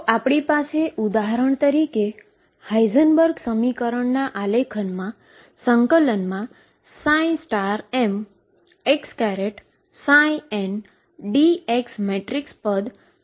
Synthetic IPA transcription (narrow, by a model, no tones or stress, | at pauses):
ʔapɽipaseʔud̪aɦəɾəɳ̃t̪əɾike | hajd͡ʒənbəɾɡsəmikəɾəɳnaʔalekʰənmã | səŋkələnmã | sãsʈaɾem | ekskɛɾeʈ | sãĩen | ɖieksmeʈɾikspəd̪